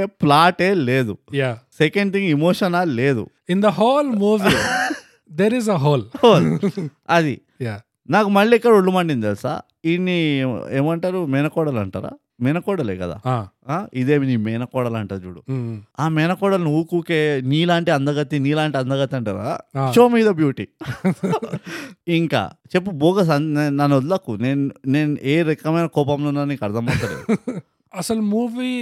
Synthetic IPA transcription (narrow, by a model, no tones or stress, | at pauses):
plaːʈeːleːd̪ujasekeɳɖt̪ʰiŋɡimoːʂɐnaːlle̞ːd̪ṵ | ind̪ɐɦoːlmuːʋi | d̪eɾizɐɦoːloː | ɐd̪i | ja | naːkumɐɭːiːkːɐɽuɭːumɐɳɖind̪elsa̰ː | inːieːmɐɳʈaːɾumɛːnɐkɔːɽɐlɐɳʈa̰ːɾa̰ː | mɛnɐkɔːɽɐleːkɐd̪a̰ːaaːid̪eːminimɛːnɐkɔːɽɐlɐɳʈaːɾd͡ʒuːɽṵaːmɛːnɐkɔːɽɐlnuwukuːkeːniːlaːɳʈiɐnd̪ɐɡɐt̪iniːlaːɳʈiɐnd̪ɐɡɐt̪iɐɳʈaːɾa̰ːt͡ʃoːmiːd̪ɐbjuːʈi | iŋka̰ːt͡ʃep̬ːuboːɡɐs̬ɐnnnɐnod̪lɐkuneːnneːneːɾekːɐmɐjnɐkɔːp̬ɐmlunːaːniːkɐɾd̪ʰʱɐmɐt̪ɐɾḛː | ɐsɐlumuːʋi